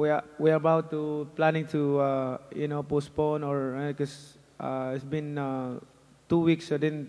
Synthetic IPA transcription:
wiawiabawt̪ːuplanɪ̃ŋt̪ʰuajʊnopos̚ponɔɹkɔs | ʔa̰hɛsbɪ̃na | t̪uwiksod̪ɛn

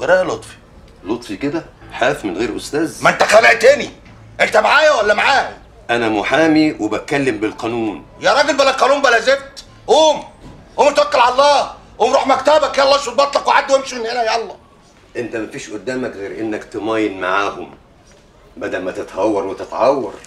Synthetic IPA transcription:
ɡɑɾˤɑːjlot̪ˤfi̥ | lot̪ˤfiked̪æħaːfmenɣeːɾʔost̪æːzmæent̪æxæleʕt̪æːni | ʔent̪æmaʕaːjæwælːæmaʕaːhæ | ʔænæmʊħaːmiwebæt̪̚kælːembelqɑnuːnjæɾˤɑːɡelbælælqɑnuːmbælæzeb̚t̪ | ʔoːmʔoːmet̪ækːælʕalɑlˤːɑːʔoːmɾˤuːħmækt̪æbækjælːɑːʃet̪bɑt̪ˤlɑkweʕad̪ːwemʃimenhenæjæɑlˤːɑː | ʔent̪æmæfiːʃʔod̪ːæːmækɣeːɾʔenːækt̪emæːjenmaʕaːhom | bæd̪ælmæt̪et̪hɑwːɑɾˤwet̪et̪ʕɑwːɑ̰ɾˤ

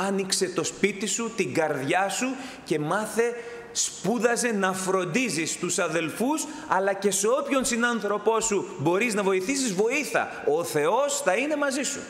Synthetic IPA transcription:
ɐnikse̞t̪o̞spit̪isut̪iɡɐɾðʝɐsu | ce̞mɐθe̞ | spuðɐze̞nɐfɾo̞nd̪izist̪usɐðe̞lfus | ɐlɐce̞seo̞pço̞nsinɐnθɾo̞po̞subo̞ɾiznɐvo̞iθisizvo̞iθɐ̰ | o̞θe̞o̞sθɐine̞mɐzisṵ

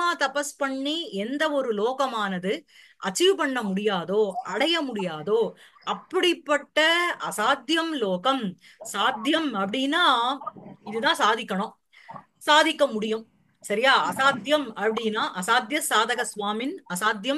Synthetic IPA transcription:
aːt̪ɐpɐspɐɳːiɛnd̪ɐɔɾɯloːkɐmaːnɐðɯ | ʔɐt͡ʃːɪʋɯpɐɳːɐmʊɽɪjaːðoːʔɐɽɐjɐmʊɽɪjaːðoː | ɐpːɐɽɪpːɐʈːɐɐsaːd̪jɐmloːɣɐm | saːd̪jɐmɐpːɐɽɪnːaː | ɪðɯt̪ãːsaːðɪkːɐɳʊ̃ | saːðɪkːɐmʊɽɪjɯm | sɐɾɪjaːɐsaːd̪jɐmɐpːɐɽɪnaːʔɐsaːd̪jɐsaːðɐɣɐsʋaːmɪnɐsaːd̪jɐm

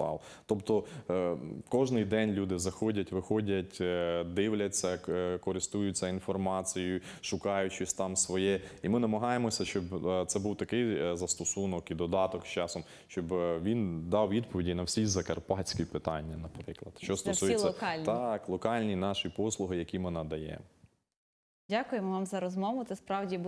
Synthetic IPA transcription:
ɑ̰l | t̪ɔpt̪ɔ | kɔʒnɪjd̪ɛnʲlʲud̪ɪzɐxɔdʲɐtʲʋɪxɔdʲɐtʲd̪ɪwlʲɐt͡sʲːɐkɔɾɪst̪ujʊt͡sʲːɐinfɔrmɑt͡sʲijʊʃʊkɑjʊt͡ʃɪsʲt̪ɑmsʋɔjɛimɪnɐmɐɦɑjemɔsʲɐʃt͡ʃɔbt̪sɛbuwt̪ɐkɪjzɐst̪ɔsunɔkid̪ɔd̪ɑt̪ɔkst͡ʃɑsɔm | ʃt͡ʃɔbʋʲind̪ɑwʋʲid̪pɔʋʲidʲijnɐwsʲizɐkɐrpɑt͡sʲkʲipɪt̪ɑnʲːɐnɐpɾɪklˠɐd̪̥ʃt͡ʃɔst̪ɔsujelsːɐɔkɑlʲt̪ɑklˠɔkɑlʲnʲinɑʃipɔslˠʊɦɪjɐkʲimɪnɐd̪ɐjɛ̰ | dʲakʊjemɔʋɑmzɐɾɔzmɔʋʊt̪sɛspɾɑwdʲi

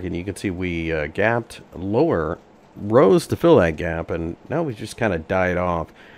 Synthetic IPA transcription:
kɨ̃njɨkɨ̃nsiwiʌɡæp̚tloʊə˞ | ɹoʊz̥tʰɨfɪlˠðɨt̚ɡ̥æpɨ̃nːʔaʊwid͡ʒʌskʰãɪ̃ndɨdaɪɾɔf

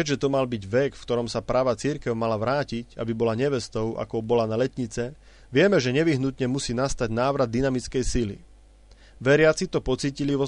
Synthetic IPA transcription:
ɛʒɛt̪ɔmalbiɟʋɛkfkt̪ɔɾɔmsapɾaːʋat͡siɾkɛʊmalaʋɾaːcica̰bibɔlaɲɛʋɛst̪ɔʊʔa̰kɔbɔlanalɛt̪ɲit͡sɛ | ʋɪɛmɛʒɛɲɛʋiɦnut̪ɲɛmusiːnast̪aɟnaːʋɾad̪̚ːinamit͡skɛjsilḭ | ʋɛɾɪat͡sit̪ɔpɔt͡siːciliʋɔ

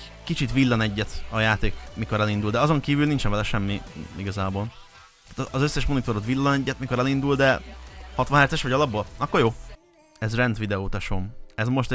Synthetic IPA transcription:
kit͡ʃit̪ʋilːɒnɛɟːɛt̪ɒjaːt̪eːkmiko̞ɾɛlind̪uld̪ɛɒzo̞ŋkiːvylnint͡ʃɛɱvɛlɛʃɛmːiiɡɒzaːboːl | t̪aːt̪ːzøsːɛʃmo̞nit̪o̞ɾot̪ʋilːɒnɛɟːɛt̪miko̞ɾɛlind̪uld̪ɛhɒt̪vʋɒnɦɛrt̪sɛʃʋɒɟɒlɒbːolɒkːoɾjoː | ɛzrɛnt̪vʋid̪ɛoːt̪ɒʃomɛzmo̞ʃt̪ɛ

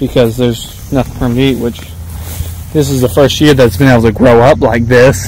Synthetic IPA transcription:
b̥ɨkʰʌzðə˞z | nʌθɪ̃ŋfɹʌ̃miʔ̚wɪt͡ʃ | ðɪsɨzðəfɜ˞st̚jɪɹðɨtsb̥ɨ̃neɪbl̩ˠtʰɨɡɹoʊʌplaɪk̚ðɪs

